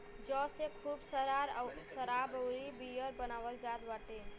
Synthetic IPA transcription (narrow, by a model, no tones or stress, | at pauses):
d͡ʒɔːsekʰuːbsəɾaɾsəɾabəʊɾibijəɾbənaːʋəld͡ʒaːd̪ʋaʈ̪e